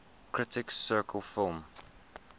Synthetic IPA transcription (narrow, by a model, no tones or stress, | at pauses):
kʰɹɪtɪksɜːˑkʰəlˠfɪlˠm